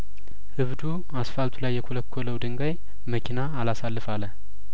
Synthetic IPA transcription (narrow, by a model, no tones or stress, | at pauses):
hɨβd̪u | asfalt̪ʰulajːɛkʰoləkʰːoləwd̪ɨŋɡaj | məkʰinaːlasalːɨfalə